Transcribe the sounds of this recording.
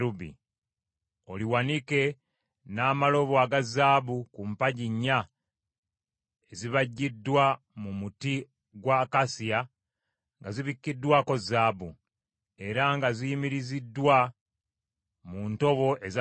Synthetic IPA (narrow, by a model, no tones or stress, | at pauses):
ɾubḭ | o̞liwanike̞ | naːmalo̞βoaɡazaːbukumpaɟiɲːa | eziβaɟːidːwa | mumuti | ɡwakasia | ŋɡaziβikːidːwako̞zaːbṵ | e̞ɾaŋɡazijimiɾizidːwa | munto̞βo̞ʔeza